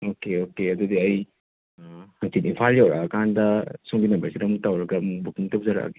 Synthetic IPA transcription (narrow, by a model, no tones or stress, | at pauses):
okeokeɐdudiɐj | hɐŋsitimpʰaɾjawɾakʰandɐsoŋbinɐmbɐɾsiɾɐmuk̚tawɾɐɡɐmubukiŋtɐw̚zaɾa̰ke̥